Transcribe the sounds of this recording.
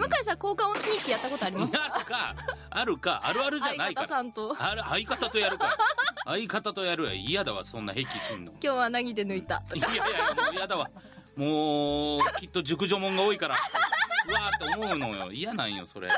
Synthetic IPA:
mɯ̟kaɕisako̞ːkãɰ̃ot̪ɲʲĩkʲijat̪ːakot̪o̞aɾʲimaaaokaaɾɯ̟ka̰ʔa̰ɾɯ̟aɾɯ̟d͡ʒanaik̪asãnt̪oaɾɯaikat̪at̪o̞jaɾɯtaaikat̪at̪o̞jaɾɯ̟ja̰ijad̪aβa̰sõ̞nːa̰hekʲiɕĩnd̪okʲoːβanaɡʲid̪e̞nɯ̟it̪a̰ijajaijad̪aβa | moː | kʲit̪ːo̞d͡ʑɨkɯ̟ʑo̞ːmõ̞ŋɡao̞ːikaɾaɯβat̪ːeomom̞ɯ̟no̞̰jo̞̰ijanaḭjo̰so̞ɾḛ

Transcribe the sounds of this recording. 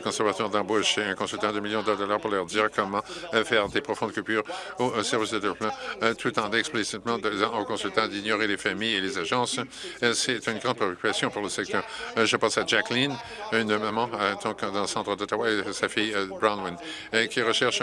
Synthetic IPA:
kɔ̃sɛʁvat̪wɛʁd̪ɑ̃boʃeɛ̃kɔ̃sylt̪ɑ̃d̪əmiljɔ̃d̪əə̃d̪ɔlaːʁpuʁlœʁd̪iːʁkɔmɑ̃fɛʁd̪epʁɔfɔ̃d̪kupyːʁosɛʁvisd̪əd̪evlɔət̪mɑ̃t̪ʰut̪ɑ̃ɛksplisit̪mɑ̃d̪̃okɔ̃sylt̪ɑ̃d̪injɔʁelefamijelezaʒɑ̃s | sɛt̪ynɡʁɑ̃d̪̚pʁeɔkʲy̥pasjɔ̃puʁləsɛk̚t̪œʁʒəpɑ̃saʒaklin | ynmamɑ̃d̪ɔ̃kd̪ɑ̃ləsɑ̃t̪ʁəd̪ət̪awaesafijbʁãnwin | kʲiʁəʃɛʁʃ

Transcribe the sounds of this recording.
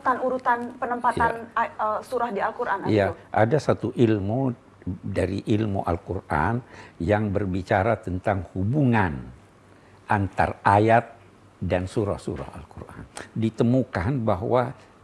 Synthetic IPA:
t̪anuɾut̪anpənəmpaansuɾahdialkuɾanjaʔadasat̪uʔilmu | daɾiʔilmṵʔalkura̰njaŋbərbit͡ʃaɾat̪ənt̪aŋhubuŋan | ʔant̪a̰rajat̪̚ | dansuɾa̰hsuɾa̰ha̰lkurandit̪əmukanbaɦwa

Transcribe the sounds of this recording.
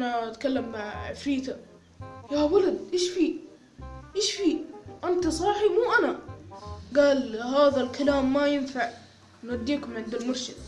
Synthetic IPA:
ʔanaʔat̪kalːamːaʕfiːt̪a | jawalad̪ʔeːʃfiːʔ | ʔɪːʃfiːʔʔant̪asˤɑːħimuːʔana | ɡaːlɦaːðalkʰalaːmːajɪnfaʕ | nwad̪ːiːkʊmʕɪnd̪ɪlmʊɾˤʃal

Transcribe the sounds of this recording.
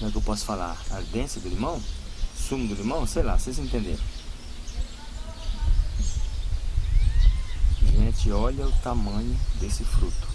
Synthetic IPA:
d̪ɐkɪewpɔsʊ̥fala̰ɾaɾd̪ẽsɐd̪ʊlimɐ̃w̃sũmʊd̪ʊlimɐ̃w̃sejlasezĩnt̪ẽnd̪ḛɾ̃ | ʒẽt͡ʃɪɔʎɐʊt̪amɐ̃ɲʊd̪esɪfɾut̪ʊ̥

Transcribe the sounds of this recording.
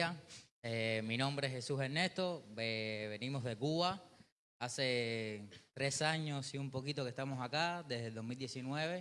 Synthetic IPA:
aemĩnõmbɾeehe̞suse̞ɾnest̪o̞eβe̞nĩmozðe̞kuβa | ase̞ | t̪ɾe̞saɲo̞siumpokit̪o̞ke̞st̪amosakad̪e̞zðeld̪o̞ɦmild̪je̞sinwe̞βe̞

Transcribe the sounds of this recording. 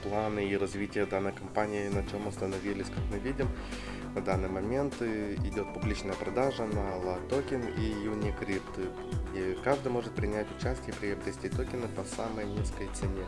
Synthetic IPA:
plˠanɨiɾɐzvʲitʲɪjəd̪anːəjkɐmpanʲɪɪnɐt͡ɕo̞mɐst̪ənɐvʲilʲɪsʲkakmɨvʲidʲɪm | nɐd̪anːɨjmɐmʲe̞nt̪ɨɪ̰dʲo̞t̪̚pʊblʲit͡ɕnəjəpɾɐd̪aʐənɐlˠat̪okʲɪnijunʲɪkɾʲipt̪ɨ | kaʐd̪ɨjmo̞ʐɨt̪̚pɾʲɪnʲætʲʊt͡ɕæsʲtʲɪjəpɾʲɪɐbɾʲɪsʲtʲit̪okʲɪnɨpɐsaməjnʲiskəjt̪sɨnʲe

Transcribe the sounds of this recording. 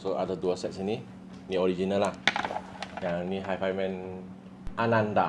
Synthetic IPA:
soa̰dəduəsɛtsni | niɔɹid͡ʒinəla | jãniɦajfajmɛ̃n | ʔanãnda

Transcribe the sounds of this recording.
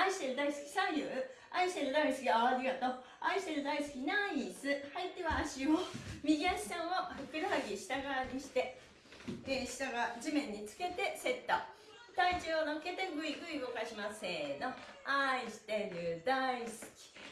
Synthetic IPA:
aiɕi̥t̪eɾɯ̟d̪aisɨ̥kʲi̥sãjjɯ | aiɕi̥t̪eɾɯ̟d̪aisɨ̥kʲiaːɾʲiɡat̪oː | aiɕi̥t̪eɾɯd̪aisɨ̥kʲinaisɨhait̪ːe̞βaːɕiomʲiɡʲiaɕi̥sãɰ̃ohakeɾɯɦaɡʲiɕi̥t̪aɡaɲʲiɕi̥t̪e̞ | eɕi̥t̪aɡad͡ʑimẽ̞ɲ̟ːit͡sɨ̥ke̞t̪e̞se̞t̪ːa | t̪ait͡ɕoːnoket̪ẽbɯ̟ikɯ̟ɯɡokaɕimasenoaiɕi̥t̪e̞ɾɯ̟d̪aisɨ̥kʲi̥

